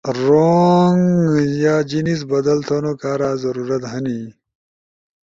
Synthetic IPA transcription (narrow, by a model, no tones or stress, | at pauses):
ɾoŋjaːd͡ʑinis̬bɐd̪ɐlt̪ʰoːnokaːɾaːzɐɾuːɾɐt̪ɦɐni